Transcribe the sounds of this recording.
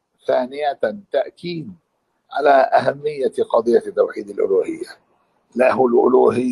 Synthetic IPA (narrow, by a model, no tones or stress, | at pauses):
θaːnɪjat̪aʔkiːd̪ | ʕa̰laːʔa̰ɦamːɪjːaqɑd̪ˤɨjːat̪ːawħiːd̪alʔʊ̰luːhɪjːa | lahʊlʔʊ̰luːɦɪ